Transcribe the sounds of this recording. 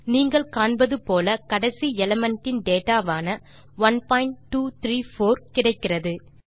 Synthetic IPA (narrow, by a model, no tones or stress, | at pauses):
niːŋɡɐɭkaːɳbɐðɯpoːlɐkɐɽɐsiɛlɐmɛɳʈːɪnɖeːʈaːʋaːnɐ | ʋɐnpaːjɪɳʈʈːuːt̪ɪɾiːfoːɾkɪɽɐɪkːɪrɐðɯ